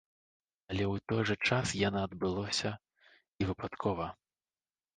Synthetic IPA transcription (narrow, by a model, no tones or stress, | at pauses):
ɐlʲɛwt̪ɔjʐɛt͡ʂasjanɔɐd̪bɨlˠɔsʲɐ | ivɨpat̪kʰɔvɐ